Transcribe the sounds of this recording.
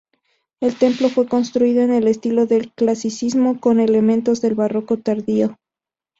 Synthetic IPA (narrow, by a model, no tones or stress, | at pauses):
e̞lt̪e̞mplo̞fwe̞ko̞nst̪ɾuiðo̞ene̞le̞st̪ilo̞ðe̞lklasisizmo̞ko̞ne̞le̞mẽ̞nt̪o̞zðe̞lβaro̞ko̞t̪aɾðio̞